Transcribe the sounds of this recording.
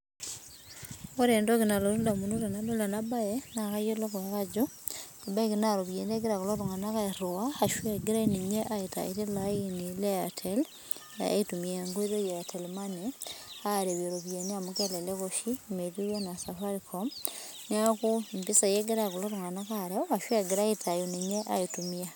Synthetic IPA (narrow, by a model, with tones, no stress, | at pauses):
o˦ɾeːndo˦ki˨na˨lo˨ɾu˦la˨muno˦la˨nabo˦la˨naba˦ena˨ka˦jo˦lo˦koa˨ka˦d͡ʒo˦kiba˦e˦kinaɾoβje˨ne˦ɡi˦ɾa˨ku˨lo˦ɾu˨ŋa˨na˦ka˦e˨ɾo˨a˦a˨ʃweɡi˦ɾa˦iniɲe˦ʔa˦ita̰˨e˨ɾi˦lainile˦atʰel | a̰˦itu˨mi˨a˨ŋɡo˦i˦ðo˦je˨atʰe˨lmaneaɾe˨βe˨ɾoβje˨ne˦a˨muke˦le˨lekoʃime˨ðu˦ja˦na˨sa˨faɾikʰom | niaku˦mpi˦sa˨je˦ɡe˦ɾaku˨lo˦ɾuŋa˨na˦ka˨ɾeoaʃwe˦ɡi˨ɾa˦etʰa˨joniɲe˦ʔa̰˦itumia˦